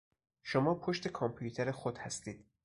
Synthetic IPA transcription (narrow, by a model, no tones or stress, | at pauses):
ʃomɒːpʰoʃt̪e̞kʰɒmpʰjut̪ʰeɾexod̪̥hæst̪iːd̪̥